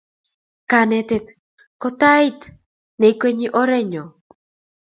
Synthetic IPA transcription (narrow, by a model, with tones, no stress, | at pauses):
ka˨nɛ˨t̪e˨t̪ | kɔ˦t̪a˦i˦t̪ | ne˨kwe˦ɲi˦ʔɔ˦ɾɛ˦ɲɔ˨